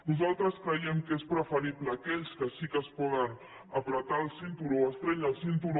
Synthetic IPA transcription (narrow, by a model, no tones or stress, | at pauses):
nuzalˠt̪ɾəskɾəjɛmkespɾəfəɾipləːkɛʎskəsikəspɔɣən | əpɾət̪aːlˠsint̪uɾuoəst̪ɾɛʎəlˠsint̪uɾ